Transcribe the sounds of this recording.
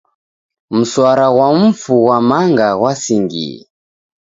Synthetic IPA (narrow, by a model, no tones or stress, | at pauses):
m̩swaɾaɣwam̩fuwamaŋɡaɣwasiŋɡḭ